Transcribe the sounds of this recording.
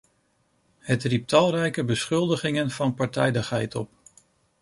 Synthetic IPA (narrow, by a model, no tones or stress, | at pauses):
ɦətrip̚tʰɑlˠrɛjkəbəsχɵlˠdəχɪŋənv̥ɑnpɑɹtɛjdəχɦɛjtɔp